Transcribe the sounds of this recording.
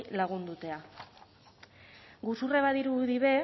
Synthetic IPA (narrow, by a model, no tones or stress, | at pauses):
laɣ̞und̪ut̪e̞a | ɡusureβaðiɾuðiβe̞